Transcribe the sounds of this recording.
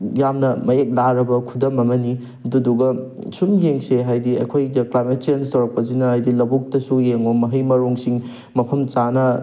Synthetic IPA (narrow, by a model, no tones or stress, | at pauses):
jamnɐmɐjek̚laɾɐbɐkʰudɐmɐmɐni | ɐduduɡɐ | sumjeŋseɦajdiɐ̰kʰojdɐklajmet̚t͡ʃenstɐwɾɐk̚pɐsinɐhajdilɐbuk̚tɐsujeŋomɐɦɐjmɐɾoŋsiŋ | mɐpʰɐmt͡ʃanɐ